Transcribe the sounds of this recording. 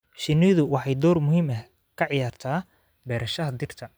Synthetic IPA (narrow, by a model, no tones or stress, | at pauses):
ʃɪnɪðʊwɑħɑjd̪ɔːrmʊɦiːmɐh | kʰɐʕɪjaːrt̪ʰaː | bɛːɾɐʃɐɦɐd̪ɪrt̪ʰɐ